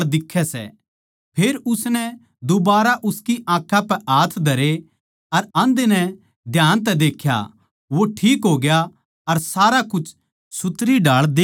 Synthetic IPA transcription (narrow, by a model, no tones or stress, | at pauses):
d̪ɪkʰːɛsɛ̰ | pʰeːɾʊsnɛ | d̪ʊbaːɾaʔʊskiʔãːkʰːãpɛaːt̪ʰd̪ʱɐɾe | ɐɾɐ̃nd̪enɛ | d̪ʱjaːnt̪̬ɛd̪eːkʰja̰ | ʋoʈʰiːkɦoːɡja | ɐɾsaːɾakʊt͡ʃʰ | sʊt̪ɾiɖaːɭd̪eː